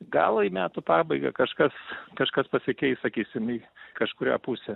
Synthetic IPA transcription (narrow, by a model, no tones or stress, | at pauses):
ɡɐːlˠimʲæːt̪ʊpɑːbɐɪɡɐ̰kɐʃkɐskɐʃkɐspɐsʲɪkʲɛɪssɐkʲiːsʲɪmiːkɐʃkʊɾʲæ̰ːpusʲɛ